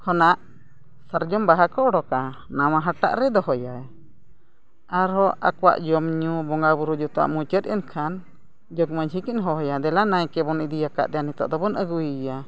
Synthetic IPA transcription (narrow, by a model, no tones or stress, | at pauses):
kʰɔnaʔ | saɾd͡ʒɔmbaɦakɔɔɽɔka | namãɦaʈa̰ʔɾɛd̪ɔɦɔjaj | aɾɔʔa̰kwa̰ʔd͡ʒɔmɲubɔŋɡabuɾud͡ʒɔt̪ɔa̰ʔmut͡ʃət̪̚ʔɛ̰nkʰan | d͡ʒɔkməɲɦikinɦɔɦɔjad̪ɛlanajkɛbɔnid̪ijaka̰ʔd̪ɛanit̪ɔ̰ʔd̪ɔbɔnəɡuija